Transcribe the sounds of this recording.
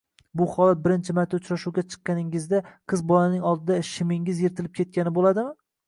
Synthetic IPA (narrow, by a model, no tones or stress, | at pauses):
bʊχɒlˠat̪̚bɪɾɪnt͡ʃʰɪmaɾt̪ʰːaʊt͡ʃɾaʃuwɡʲat͡ʃʰɨ̥qːɑnɪŋɪzd̪aqʰɨzbɒlanɪŋɒlˠd̪ɪd̪aʃɪmɪŋɪzjeɾt̪ʰɪlɪp̚kʲʰe̞t̪̚kʲanɪbolad̪ɪmɪ